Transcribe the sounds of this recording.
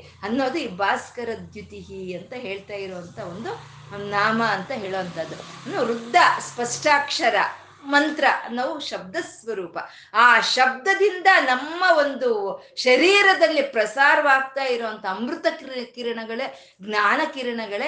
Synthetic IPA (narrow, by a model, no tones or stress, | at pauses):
ɐnːo̞ːd̪uiːbaːskɐɾɐd̪ʱjut̪iɦiɐnt̪ɐɦe̞ːɭt̪aːjiɾoːʋɐnt̪ʰɐond̪u | naːmɐːnt̪ɐɦe̞ːɭoːɐnt̪ɐd̪uɐnːoːɾud̪ʱːɐspɐʂʈaːkʂɐɾɐ̰ | mɐnt̪ɾɐnɐʋuʃɐb̚d̪ɐsʋɐɾuːpɐ | aːʃɐb̚d̪ɐd̪ind̪ɐnɐmːɐo̞nd̪uʃɐɾiːɾɐd̪ɐlːipɾɐsaːɾɐʋaːɡ̚t̪aːjiɾoːɐnt̪ʰɐːmɾut̪ɐkkiːɾɐɳɐɡɐɭe | ɡnaːnɐkiːɾɐɳɐɡɐɭe